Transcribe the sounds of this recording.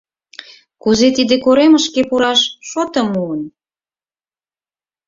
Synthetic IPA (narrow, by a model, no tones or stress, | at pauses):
kuzet̪id̪ekoɾeməʃkepuɾɑʃʃot̪əmuən